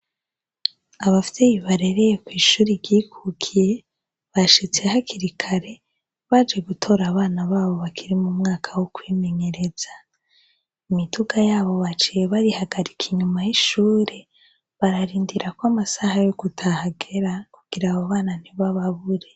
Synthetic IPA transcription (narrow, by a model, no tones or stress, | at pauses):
aβafijejiβaɾe̞ɾejekwiːʃuːɾiɾɟiːkʰuːkʰije̞ | βaʃit͡sehakiɾikʰaɾe̞ | βad͡ʒe̞ɡutʰo̞ɾaβaːnaβaːβo̞βakʰiɾimumŋaːkʰawokwiːme̞ɲe̞ɾe̞z̥a | imitʰuɡajaːβo̞βat͡ʃije̞βaɾihaɡaɾikʰiɲumajiʃuːɾe̞ | βaɾaɾiːndiɾakwamasahajoɡutʰahaɡeɾakuɡ̥iɾaβoβaːnan̥iβaβaβuɾe̞